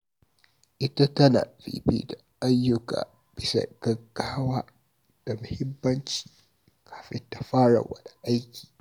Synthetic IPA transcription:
ʔɪ˦ta˦tɐ˦na̰ː˨bḭː˨bḭː˦da˨ʔa˦jːʊ˦ka̰ː˨ | b̥ɪ˦sa̰˨ɡ̥ɐ˦kːaː˦waː˦ | d̥a˨mʊ˨hɪ˦mːɐ˦nt͡ʃi̥ː˨ | kʰḁː˨ɸɪ˦nta˨ɸaː˦ɽɐ̰˨wa̰˨da˨ʔa˦jkʲʰi̥ː˨

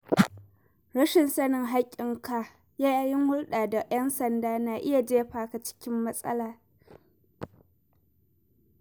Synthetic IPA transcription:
ɽɐ˦ʃɪ˨nsɐ˦nɪ˨ŋɦa˦kʲʼːɪ˨ŋka˨ | jaː˦ja˦jɪ˦ŋhʊ˦ɽɗaː˨da˨jɐ˦nsɐ˨ndaː˦naː˨ʔɪ˦ja˨d͡ʒeː˦ɸaː˨ka˨t͡ʃɪ̥˦kʲɪ˦mːɐ˦sʼɐ̰˦laː˨

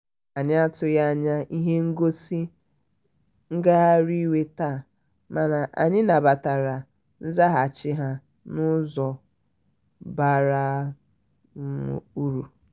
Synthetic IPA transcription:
a˨ɲɪ˦a˦tʊ˨ja˦a˦˨ɲa˦ʔi˦ɦe˦ŋ̩˦ɡo˦si˦ | ŋ̩˦ɡa˦a˦ɾi˦we˦taː˦˨ | ma˨na˨ʔa̰˨ɲɪ˦na˨ba˨ta˨ɾa˨ | n̩˦za˦ɦa˨t͡ʃɪ˦ɦa˦ | nʊ˦zɔ˨ | ba˨ɾa˦˨ | u˦ɾu˨

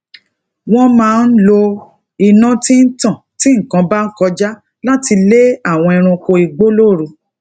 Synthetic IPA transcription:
w̃ɔ̃˦mãː˨˦˧n̩˦lo˧ | i˨nã˦ti˦n̩˦tã˦˨ti˦ŋ̩˨kã˧ba˦n̩˦kɔ˧d͡ʒa˦ | la˦ti˧le˦a˦˨w̃ɔ̃˧ɛ˧ɾ̃ũ˧ko˧i˧˨ɡ͡bo˦lo˦˨ɾo˧

